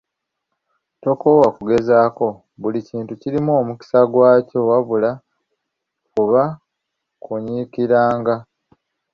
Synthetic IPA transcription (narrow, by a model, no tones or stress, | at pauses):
to̞ko̞wakuɡe̞zaːko̞ | βuliciːntuciɾimuoːmuki̥saɡwaːco̞waβula | kuβa | kuɲikiɾaːŋɡa